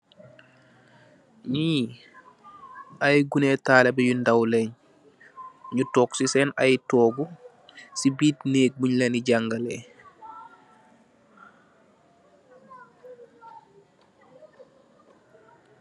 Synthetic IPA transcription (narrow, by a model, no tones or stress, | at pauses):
ɲiː | ʔajɡunetaːlɛbɛjundawlɛɲ | ɲutɔːksisɛnajtɔːɡu | sibiːtneːk̚buɲleniɟaŋɡalɛ